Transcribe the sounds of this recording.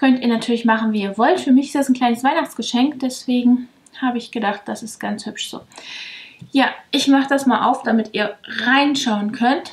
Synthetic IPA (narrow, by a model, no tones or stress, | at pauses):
kʰœntiːɐnatʰyːɐlɪçmaχn̩viːiːɐvɔltfyːɐmɪçɪ̥std̥asn̩kl̥aɪnəsv̥aɪnaχt͡sɡ̥əʃɛŋkd̥ɛsv̥eːɡŋ̩ | haːbəɪçɡ̥ədaχt̚d̥asɪstɡ̥ant͡shʏpʃz̥o̰ː | jaːʔɪçmaχəd̥asmaːlʔa̰ʊfd̥amɪtiːɐʁaɪnʃaʊənkʰœnt